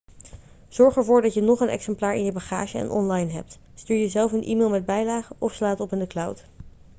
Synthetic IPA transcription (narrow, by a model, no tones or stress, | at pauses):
z̥ɔɹχɛɹvʊːɹdɑtjənɔχənɛ̰ksɛmplaːɹɪ̰njəbaχa̰ːʒəɛ̰nʔɔ̰nlɑjnɦɛ̰p̚t | styːɹjəzɛlˠfənʔḭːmeːlˠmɛd̚bɛjlaːχəʔɔfslaːtɔpɪndəklʌwt